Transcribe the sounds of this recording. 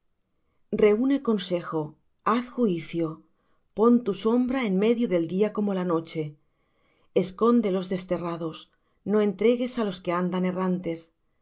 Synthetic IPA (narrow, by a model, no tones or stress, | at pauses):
re̞une̞ko̞nse̞xo | aθxuiθjo | po̞nt̪uso̞mbɾaenme̞ðjoðe̞ld̪iako̞mo̞lano̞t͡ʃe̞ | esko̞nd̪elo̞zðe̞st̪e̞rað̞o̞s | noe̞nt̪ɾe̞ɣe̞salo̞skeand̪ane̞rant̪e̞s